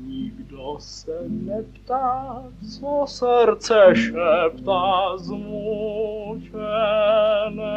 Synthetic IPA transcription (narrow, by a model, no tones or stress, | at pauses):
ɲiɡd̪osɛnɛpt̪aː | t͡soɔsɛɾt͡sʰɛʃɛpt̪azmu | t͡ʃɛ | nɛ